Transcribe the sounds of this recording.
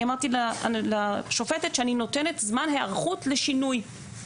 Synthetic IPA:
amaʁt̪illaʃofetetʃeanino̞tene̞tzmanɦeaʁχutleʃinuj

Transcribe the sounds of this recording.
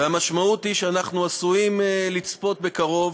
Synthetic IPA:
eamaʃmaut̪hiʃeanaχnuasuimelit͡spo̞t̪̚be̞kaʁo̞v

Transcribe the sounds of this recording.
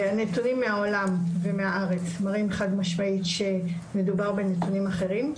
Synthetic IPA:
anetunimːeao̞lamve̞meaʔaʁe̞t͡smaʁimeχadmaʃmaitʃe | me̞dubaʁbe̞netunimaχe̞ʁim

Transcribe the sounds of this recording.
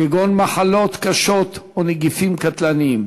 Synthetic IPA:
eɡonmaħalot̪kaʃot̪oneɡifimkat̪lanim

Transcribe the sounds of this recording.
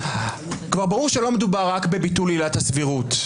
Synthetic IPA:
kvaʁbaʁuʁʃelo̞med̪ubaʁːakbe̞bitulilathasviʁut

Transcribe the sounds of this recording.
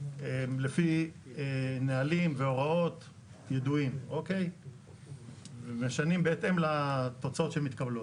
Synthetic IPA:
emlefi | enealimveo̞ʁao̞t̪ | jed̪uimokej | vemeʃanimbeet̪emlat̪o̞t͡sao̞t̪ʃemit̪kablot

